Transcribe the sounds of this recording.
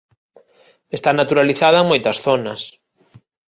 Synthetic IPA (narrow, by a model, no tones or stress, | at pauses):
est̪anat̪uɾaliθaðɐeŋmojt̪ɐsθonɐs